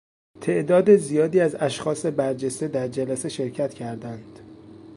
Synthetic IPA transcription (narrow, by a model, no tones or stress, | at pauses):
t̪ʰe̞ʔd̪ɒːd̪ezijɒːd̪iːæzæʃxɒːse̞bæɾd͡ʒest̪e̞d̪æɾd͡ʒælæseʃe̞ɾcʰæt̪cʰæɾd̪ænd̪̥